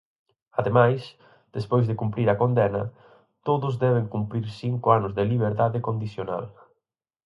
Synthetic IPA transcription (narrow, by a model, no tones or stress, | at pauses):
aðemajs | d̪̥espojzðɪkumpɾiɾɐkond̪ɛnɐ | t̪oðʊzðɛβ̞ɪŋkumpɾiɾsiŋkʊanʊzðɪliβeɾt̪aðɪkond̪iθjona̰l